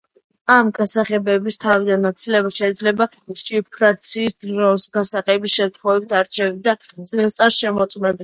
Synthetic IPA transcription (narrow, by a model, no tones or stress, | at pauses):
amɡasaχɛbɛbist̪ʰavid̪anːat̪sʰilɛbaʃɛid̪zlɛba | t͡ʃʼipʰɾat̪sʰiːsd̪ɾɔsɡasaχɛbisʃɛmt̪ʰχɔvɛb̚t̪ʰaɾt͡ʃʰɛvɛd̪a | t̪sʼlɛt̪sʼaɾʃɛmɔt̪sʼmɛbi